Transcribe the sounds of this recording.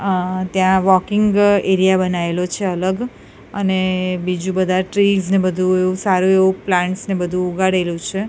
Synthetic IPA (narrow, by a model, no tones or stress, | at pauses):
t̪jãʋɔkɪŋɡeɾijabənaelot͡ʃʰeələɡ | ənebid͡ʒũbəd̪ʱaʈɾilznebəd̪ʱũeʋũsaɾũeʋũplãɳʈsnebəd̪ʱũːɡaɽelũt͡ʃʰe